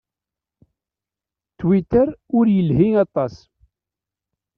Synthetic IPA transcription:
t̪wit̪əɾʊɾjəlhiŋɑt̪ˤɑs

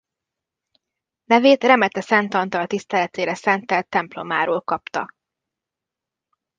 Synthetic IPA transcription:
nɛveːt̪rɛmɛt̪ɛsɛnt̪ɒnt̪ɒlt̪ist̪ɛlɛt̪eːɾɛsɛnt̪ɛlt̪ːɛmplo̞maːɾoːlkɒpt̪ɒ

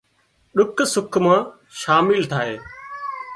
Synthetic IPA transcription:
ɗʊksʊkʰmãː | ʃaːmɪlt̪ʰaːɦeː

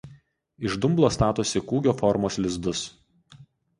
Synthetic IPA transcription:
ɪʒd̪ʊmblˠoːst̪ɑːt̪ʊsʲɪkuːɡʲoːfɔɾmoːslʲɪzd̪ʊs

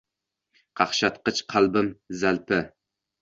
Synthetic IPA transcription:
qʰɑχʃɑt̪qət͡ʃqʰɑlˠbɪmzælpɪ

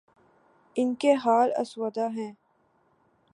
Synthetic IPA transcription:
ɪnkeɦaːlɐ̰swəd̪aɦɛ̃ː

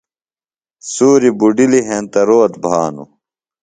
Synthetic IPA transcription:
suːɾibuɖiliɦẽnt̪ɐɾoːt̪bʱaːnṵ

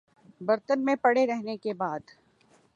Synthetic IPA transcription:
bɐɾt̪ənmẽpɐɽeɾɛɦnekebaːd̪

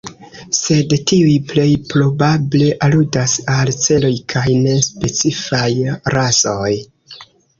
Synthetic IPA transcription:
se̞dtiujple̞jpɾo̞bable̞ʔaludasalt͡se̞lo̞jkʰajne̞spe̞t͡sifajɾaso̞j

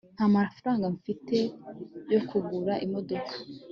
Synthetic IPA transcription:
n̥hamafɾaːŋɡaɱfite̞jo̞kʰuɡuɾaʔimo̞do̞kʰḁ

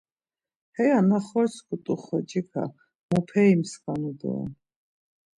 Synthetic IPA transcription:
hɛjanaχɔɾskʰut̪ʼuχɔt͡ʃikʰa̰ | mɔpʰɛimskʼanud̪ɔ̰ɛ̰

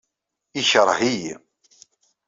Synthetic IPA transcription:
içəɾˤɦij

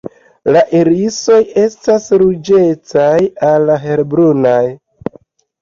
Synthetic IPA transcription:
laʔeɾiso̞je̞stasɾud͡ʒe̞t͡sajalːaɦe̞ɾbɾunaj

